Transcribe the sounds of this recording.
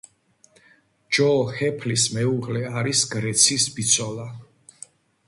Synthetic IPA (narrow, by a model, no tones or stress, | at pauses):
d͡ʒɔhɛpʰlismɛuʁlɛaɾisɡɾɛt̪sʰisbit̪sʰɔlˠa